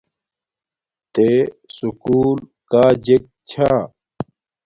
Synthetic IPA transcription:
t̪esukuːlkaːd͡ʑek̚t͡ɕʰa

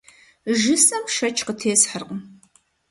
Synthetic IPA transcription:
ʒɨsʼɐmʃɐt͡ʃʰqətʰeːsħərqəm

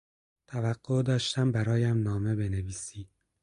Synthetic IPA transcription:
t̪ʰævæɡ̥ːod̪ɒːʃt̪æmbæɾɒːjæmnɒːme̞be̞neviːsiː

